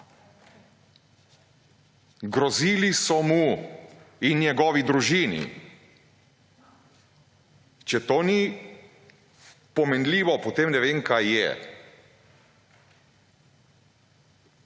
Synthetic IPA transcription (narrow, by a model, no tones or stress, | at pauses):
ɡɾɔziːlisɔmu | injɛɡɔːʋid̪ɾuʒiːnḭ | t͡ʃɛt̪oːni | pɔmɛnliːʋɔpɔt̪emnɛʋeːŋkajːɛ̰